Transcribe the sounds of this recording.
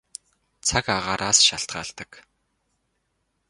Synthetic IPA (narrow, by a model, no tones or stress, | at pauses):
t͡sʰakaʁaːɾʔaːsʃaɬt̪ɢa̰ːɬt̪ə̆k